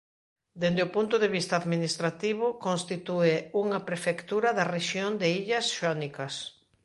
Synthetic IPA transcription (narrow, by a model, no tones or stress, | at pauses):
d̪end̪eopunt̪oðeβist̪aðminist̪ɾat̪iβ̞ʊkonst̪it̪ueuŋɐpɾefekt̪uɾɐðɐreʃjond̪eiʎɐsʃanikɐs